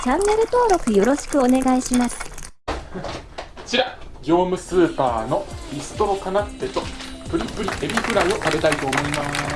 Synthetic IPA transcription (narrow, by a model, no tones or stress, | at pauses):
t͡ɕãnːe̞ɾɯ̟t̪o̞ːɾo̞kɯ̟jo̞ɾo̞ɕi̥kɯ̟o̞ne̞ɡaiɕimasɨ̥ | t͡ɕiɾaɡʲo̞ːmɯ̟sɨːpaːno̞ɾʲisɨ̥t̪o̞okanat̪ːe̞t̪o̞p̪ɯ̟ɾʲipːɯ̟ɾʲiebʲiɸɯ̟ɾaɯo̞sabe̞t̪ait̪o̞ːmo̞imasɨ